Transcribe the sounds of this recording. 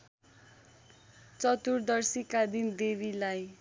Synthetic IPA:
t͡sʌt̪urd̪ʌrsikad̪ind̪ebilaj

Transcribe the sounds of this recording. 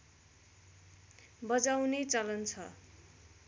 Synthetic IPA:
bʌd͡zaw̃net͡sʌlʌnt͡sʰʌ

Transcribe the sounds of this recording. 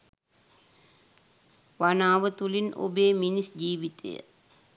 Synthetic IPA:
ʋanaːʋət̪ulino̰beːminisd͡ʒiːʋit̪ḛjə̰

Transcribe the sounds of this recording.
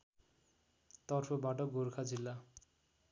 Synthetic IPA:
t̪ʌrpʰʌbaʈʌɡorkʰad͡zilːa

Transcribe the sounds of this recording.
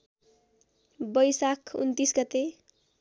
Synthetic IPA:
bʌjsakʰṵnt̪isɡʌt̪e

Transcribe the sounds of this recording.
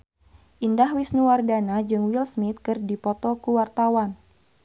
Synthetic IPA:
ʔindahwisnuwardanad͡ʒɨŋwilsmit̪̚kɨrdipɔt̪ɔkuwart̪awan

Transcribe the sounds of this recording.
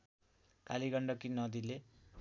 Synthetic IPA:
kaliɡʌɳɖʌkinʌd̪ile

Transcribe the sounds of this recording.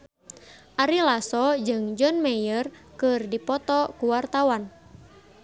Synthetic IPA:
ʔaɾilasɔd͡ʒɨŋd͡ʒɔnmɛjərkɨrdipɔt̪ɔkuwart̪awan

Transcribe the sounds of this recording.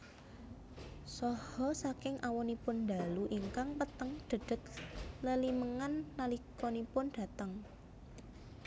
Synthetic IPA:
sɔhɔsakɪŋʔawɔnipʊnd̪a̤luʔiŋkaŋpət̪əŋd̪̥ə̤ɖ̥ə̤t̪̚ləliməŋanːalikɔnipʊnɖ̪̥ä̤t̪əŋ

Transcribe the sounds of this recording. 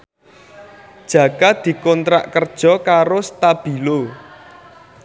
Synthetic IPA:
d̥ʒ̥ä̤kad̪̥i̤kɔnt̪ɾa̰ʔkərd̥ʒ̥ɔ̤kaɾost̪ab̥i̤lo

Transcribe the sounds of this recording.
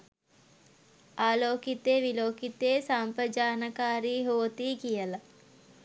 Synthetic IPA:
aːloːkit̪eːʋiloːkit̪eːsaːmpɾəd͡ʒaːnəkaːɾiːɦoːt̪iːkijəla

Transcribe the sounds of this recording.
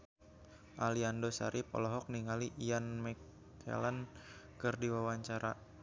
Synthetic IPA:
ʔaliandosa̰ɾʔipɔ̰lɔɦɔk̚niŋaliʔːanmɛkʰː | ɛ̰lankɨrdiwawaɲt͡ʃaɾa

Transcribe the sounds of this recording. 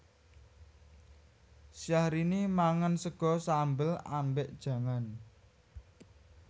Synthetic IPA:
sijahɾinimaŋənsəɡ̥ɔ̤sambəla̰mbeʔd̥ʒ̥ä̤ŋan

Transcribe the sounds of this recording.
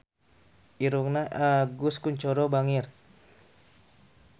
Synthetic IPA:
ʔiɾuknaʔaɡuskuɲt͡ʃɔɾɔbaŋir

